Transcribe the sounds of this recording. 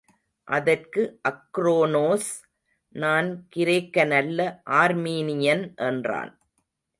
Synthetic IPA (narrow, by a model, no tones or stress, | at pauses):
ʔɐðɐrkɯʔɐkːɾoːnoːs | naːnkɪɾɐːkːɐnɐlːɐʔaːɾmiːnɪjɐnʔɛndra̰ːn